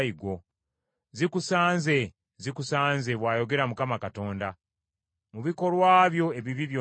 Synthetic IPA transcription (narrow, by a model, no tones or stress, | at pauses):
iɡo̞ | zikusaːnze̞ | zikusaːnze̞βwaːjo̞ɡe̞ɾamukamakato̞ːnda | muβiko̞lwaːβjo̞e̞βiβiβjo